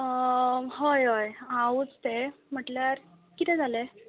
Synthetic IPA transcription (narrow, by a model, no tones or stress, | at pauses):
ɦojɦojauːt͡st̪em̤əʈljaɾ | kit̪ɛ̃d͡zʱale